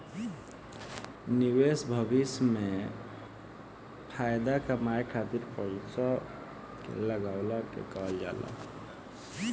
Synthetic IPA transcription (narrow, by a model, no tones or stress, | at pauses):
niwesbʱəbɪsmẽ | pʰaːjd̪akamaːjkʰaːt̪iɾpəɪsa | kḛləɡaːwlakḛkaːld͡ʒa̰ːla̰